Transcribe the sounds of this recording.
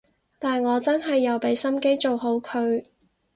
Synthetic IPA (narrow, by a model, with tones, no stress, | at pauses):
t̪aː˨nŋɔː˨˧t͡sɐ˥nɦɐ˨jːɐ˨wpe˨˧jsɐ˥mke˥jt͡so˨wɦo˨˥wkʰɵ˨˧ɥ